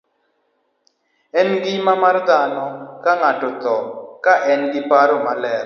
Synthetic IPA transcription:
ɛnɡɪmamard̪anɔkaŋatɔt̪ɔkaʔɛnɡɪpaɾomalɛɾ

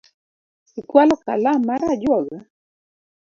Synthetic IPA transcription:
sikwalɔka̰lamaɾad͡ʒɔɡa

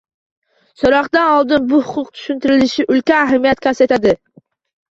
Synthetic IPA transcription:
soɾɒqd̪anɒlˠd̪ɪnbʊhʊqʰʊqt̪ʰʊ̥ʃʊnt̪ɪɾɪlɪʃɪʔʊlkʲaːɦamijat̪kʲʰaset̪ʰad̪ɪ

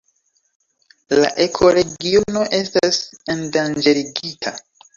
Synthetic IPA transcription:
la̰ʔe̞kʰo̞ɾe̞ɡionoʔe̞stasendand͡ʒeɾiɡitʰa

